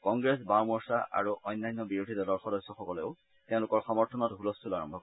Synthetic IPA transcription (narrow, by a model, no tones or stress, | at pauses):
kɔŋɡɹesbawmɔɹsa̰ʔa̰ɹuʔɔjnːajnːɔbiɹudʱidɔlɔɹxɔdɔsːɔxɔkɔleʊ | tẽʊ̃lʊkɔɹxɔmɔɹtʰɔnɔtɦulɔstulaɹɔmbʱɔkɔ